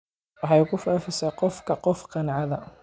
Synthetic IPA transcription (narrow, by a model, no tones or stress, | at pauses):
wɑħɑjkʰʊfafɪsɐqɔfkʰɐqɔfqɑnʕɑðɐ